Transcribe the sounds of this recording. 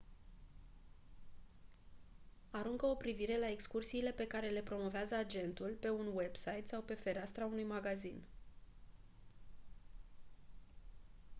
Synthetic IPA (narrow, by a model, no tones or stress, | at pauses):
aɾuŋkəo̞pɾiviɾe̞lae̞kskursiːle̞pe̞kaɾe̞le̞pɾo̞mo̞veazəad͡ʒe̞nt̪ulpe̞unwe̞bsajt̪sawpe̞fe̞ɾast̪ɾaunujmaɡazin